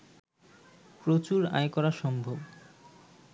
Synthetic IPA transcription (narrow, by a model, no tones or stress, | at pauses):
pɾot͡ɕuɾa̰jkɔɾaʃɔmbʱob